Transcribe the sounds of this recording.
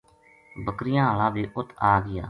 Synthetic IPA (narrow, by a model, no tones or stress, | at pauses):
bəkɾɪjãːɦaːlãːʋiːʔʊt̪ʰːaːɡɪja̰ː